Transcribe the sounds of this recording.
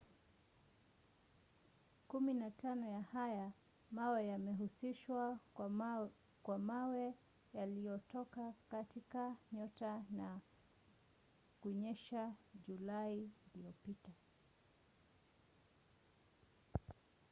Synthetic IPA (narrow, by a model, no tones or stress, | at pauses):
kuminatanɔjahaja | mawɛjamɛɦusiʃwa | kwamawɛ | jalijɔtɔkakatikaɲɔtana | kuɲɛʃaʄulaiːlijɔpita